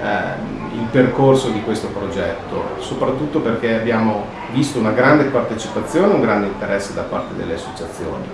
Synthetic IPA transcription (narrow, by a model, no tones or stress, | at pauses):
ilperkorsod̪ikwest̪opɾod͡ʒɛt̪ːo̰sopɾat̪ːut̪ːoperkeabjaːmo | vist̪ounaɡɾand̪epart̪et͡ʃipat̪sːjoːneuŋɡɾand̪eint̪eɾʔɛsːed̪apart̪ed̪elːeasːot͡ʃat̪sːjo̰ːnḭ